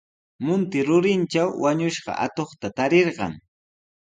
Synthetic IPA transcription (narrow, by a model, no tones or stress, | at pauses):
mʊnt̪ɪɾʊɾɪnt͡ʃawwaɲʊʃɢɑ̰ʔa̰t̪oχt̪at̪aɾeɾɢɑ̰ŋ